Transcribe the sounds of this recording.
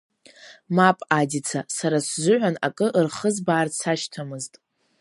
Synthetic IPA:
mapʼadit͡sʰasaɾaszʷʊʕʷanakʼɨʔɨrχəzbaːrt͡sʰaʃtʰamɨztʼ

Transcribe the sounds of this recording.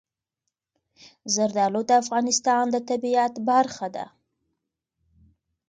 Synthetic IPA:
zaɾd̪ɑlod̪əafɣɑnɪst̪ɑnd̪ət̪abiat̪baɾxad̪a̰

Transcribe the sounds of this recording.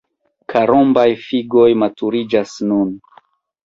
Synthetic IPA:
kʰaɾombajfiɡo̞jmatʰuɾid͡ʒasnun

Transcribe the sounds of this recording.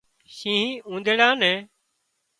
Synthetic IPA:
ʃĩːɦĩːũːnd̪ʱeːɽãːnɛ̃ː

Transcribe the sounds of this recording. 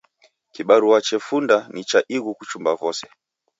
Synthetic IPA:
kiɓaɾuwat͡ʃɛfundanit͡ʃaʔiɣukut͡ʃumbavɔsɛ̥

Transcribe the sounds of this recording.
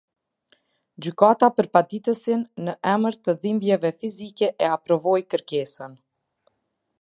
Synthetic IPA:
d͡ʑykat̪apəɾpad̪it̪əsinːəʔɛməɾt̪əðimbjɛvɛfizikɛʔɛapɾɔvɔjkəɾkɛsən

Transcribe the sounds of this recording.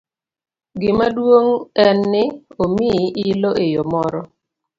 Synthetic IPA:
ɡɪmadwoŋɛnːɪomiʔɪloʔejomɔɾɔ

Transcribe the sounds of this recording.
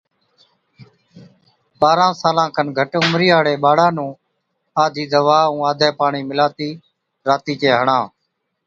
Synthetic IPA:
ɓaːɾãːsaːlãːkʰənɡʱəʈʊmɾiːaːɽeːɓaːɽ̤aːnũː | aːd̪ʱiːd̪əʋaːũːaːd̪ʱaːpaːɳiːmɪlaːt̪iː | ɾaːt̪iːt͡ʃeːɦəɳãː

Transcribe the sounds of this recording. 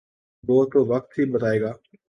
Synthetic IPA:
boːt̪oːʋək̚t̪iɓət̪aːeːɡaː

